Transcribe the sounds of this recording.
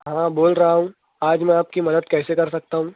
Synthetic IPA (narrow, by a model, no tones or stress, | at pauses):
ɦãːboːlɾɐɦaɦũː | aːd͡ʒmɛ̃aːp̚kimɐd̪əd̪̚kɛːsekɐɾsɐk̚t̪aɦũː